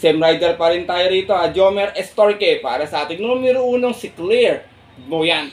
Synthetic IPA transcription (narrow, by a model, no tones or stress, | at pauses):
sɛmrajdərpaɾint̪aiɾit̪oad͡ʒɔmɛrɛst̪ɔrkepaɾɛsat̪inomiɾuːnʊŋsiklir | bojan